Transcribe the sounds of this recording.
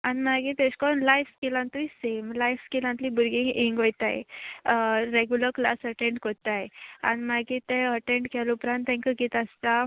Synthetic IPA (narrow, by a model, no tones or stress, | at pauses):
animaɡĩt̪ẽɕkɔnlajfskilãnt̪uisemlajfskilãnt̪libuɾɡĩŋiŋɡojt̪a̰j̰ | ɾeɡjuləɾkla̰səʈẽɳɖkot̪aja̰nimaɡit̪ẽəʈẽɳʈkʰɛlupɾãnt̪ẽŋkəkit̪əst̪a